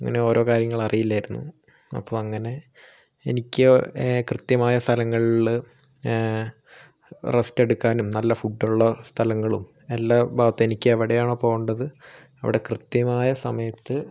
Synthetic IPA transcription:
ɐŋːɐ̰ne̞o̞ːɾo̞ːkaːɾjɐŋːɐɭɐrijilːaːjiɾunːṵ | ɐ̰pːoːɐŋːɐne̞ | enikʲːɨkrɨt̪jɐmaːjɐst̪ʰɐlɐŋːɐɭil | reste̞ɽukːaːnumnɐlːɐfuɖːuɭːɐst̪ʰɐlɐŋːɐɭum | elːabʱaːʋɐt̪ːeenikʲːɨeʋiɽejaːɳoːpo̞ːɣuɳɖɐðɨ | ɐʋḭɽe̞krɨt̪jɐmaːjɐsɐmɐjɐt̪ːɨ

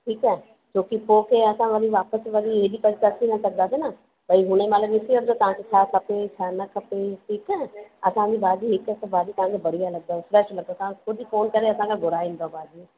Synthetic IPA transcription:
ʈʰiːkɛː | t͡ɕoːkipoːkeɐsãʋɐɾiʋaːpəsʋɐɾieɗipɐɾt̪əsinɐsɐɡ̚d̪aːsena | bʱaiɦʊñemɐt̪ləbɪsiəɾt̪ot̪ɐʋ̤ãkʰet͡ɕʰaːkʰɐpet͡ɕʰaːnɐkʰɐpeʈʰiːkɛːɐsãd͡ʑibaːd͡ʑiɦɪkɛt̪baːd͡ʑit̪ɐʋ̤ɦãːkʰebɐɽ̤ialɐɡ̚d̪aːsɾɛːʃlɐɡ̚d̪at̪ɐʋãkexʊd͡ʑʱfoːnkɐɾeɐsãkʰãɡʱʊɾaːʋĩːnd̪obaːd͡ʒi

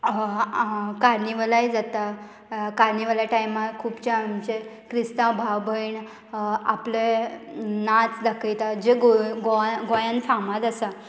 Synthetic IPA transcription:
kaɾniʋəlaid͡zat̪a | kaɾniʋəlaʈajmakʰuːpt͡ɕaamt͡ɕe | kɾist̪ãbʱaʋbʱəiɳ | aple | nat͡sd̪əkʰəjt̪ad͡ʑeɡoɡoɡojãnfʰamat̪əsa

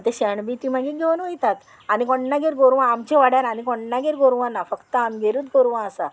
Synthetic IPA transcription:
t̪eɕɛɳbit̪im̤aɡiɡʱeʋənʋəjt̪at̪ | anikɔɳːaɡeɾɡoɾʋãamt͡ɕeʋaɽjaɾanikɔɳːaɡeɾɡoɾʋãnafəkt̪əamɡʱeɾuːt̪ɡoɾʋãəsa

